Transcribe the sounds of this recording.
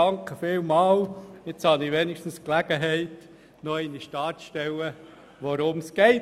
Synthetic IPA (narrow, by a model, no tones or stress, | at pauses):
ɑŋkəfɪːlmɑːlet͡shɑnɪʋenɪʃtn̩sklæɡ̥əɦɛɪt | nɔɪniʃtɑːtʃtɛlə | ʋoɾʊmsɡɛɪ